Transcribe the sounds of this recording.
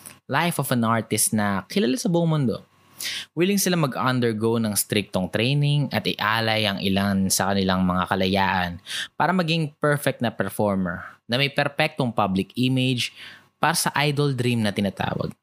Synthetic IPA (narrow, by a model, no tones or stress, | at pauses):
lajfofɐnʔaɹt̪ɪst̪nɐkɪlɐlasɐbuʔoŋmʊnd̪o̞̰ | wiːlɪŋsɪlamɐɡʔɐnd̪ɛɹɡownɐŋst̪ɾik̚t̪oŋt̪ɾɛjnɪŋɐt̪ɪʔaːlɐjɐŋʔɪlansɐkɐnɪlaŋmɐŋakɐlɐjaːʔɐnpaːɾɐmɐɡiŋpɛɹfɛk̚t̪nɐpɛɹfoɹmɛ̰ɹnɐmɐjpɛɾpɛk̚t̪oŋpablɪkimed͡ʒ | paːɾɐsɐʔajd̪old̪ɾimnɐt̪ɪnaːt̪a̰ːwɐ̰ɡ̚